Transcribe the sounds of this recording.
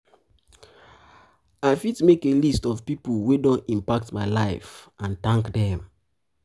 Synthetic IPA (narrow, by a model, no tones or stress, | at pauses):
aɪfidmekelistɔvpipəwedɔ̃nĩmpak̚tmaɪlaɪfʔãntãŋkdɛ̃m